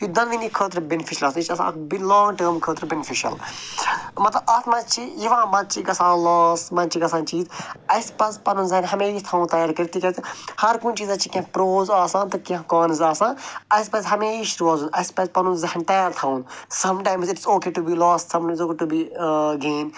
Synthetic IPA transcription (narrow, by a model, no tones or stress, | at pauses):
kid̪ɐnʋinikʰəːt̪̬ɾɐbenɪfʰiʃɐlɐːsit͡ʃɐsã̰ːbilɔ̃ːŋɡʈəːɾmkʰəːt̪ɾbenɪfiʃɐ̰l | mɐt̪lɐbɐt̪mɐ̃t͡ʃʰijiʋãːmɐd̪̚t͡ʃʰiɡɐsãːlaːst̪mɐnt͡ʃʰiɡɐsãːnt͡ʃiːzɐspɐzpɐnũːzɐɦnɦɐmeːʃt̪ʰãːw̃nt̪ɐjaːɾkɐɾt̪iːkɐɾt̪ihɐɾkũːnt͡ʃiːzɐt͡ʃʰikʲɐ̃pɾoːzaːsãːnt̪ɨkɐ̃kaːnizaːsãːɐjspɐzɦɐmeːʃʈuaːzunʔɐspɐzpɐnũnzɐɦnt̪ɐjaːɾt̪ʰaːũnsɐmʈaːjmzɪʈzoːkeːʈubiːlɔːstsɐmʈazoːkeʈubiːɡeːn